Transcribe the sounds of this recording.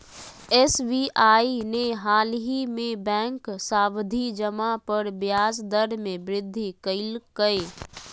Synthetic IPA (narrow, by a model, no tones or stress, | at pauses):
esbiʔaːineɦaːlɦimẽbɛ̃ːŋksaːbd̪ʱid͡ʒəmapəɾbjaːsd̪əɾmẽbɾɪd̪ʱːikəɪlkəe